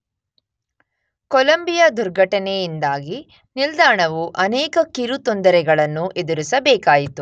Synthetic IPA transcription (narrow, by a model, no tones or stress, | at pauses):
kolɐmbijɐd̪uɾɡʱɐʈɐnɛjind̪aːɡi | nild̪aːɳɐʋuʔɐnɛːkɐkiɾut̪ond̪ɐɾɛɡɐɭɐnːuʔed̪uɾusɐbɛːkaːjit̪u